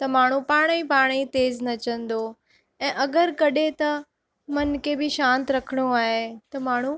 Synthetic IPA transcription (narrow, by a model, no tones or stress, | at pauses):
t̪ɐmaːɳ̤ũpaːɽ̃ipaːɽ̃it̪eːznɐt͡ɕə̃nd̪o | ɛ̃ːʔɐɡəɾkɐɗet̪ɐ | mɐnkʰebɪʃãːnt̪ɾɐkʰəɽ̃oaːɦet̪ɐmaːɳ̤ũ